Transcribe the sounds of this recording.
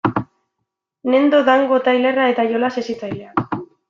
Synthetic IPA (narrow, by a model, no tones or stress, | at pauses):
ne̞nd̪o̞ðaŋɡo̞t̪ajle̞rae̞t̪ajo̞lasesit͡sajleak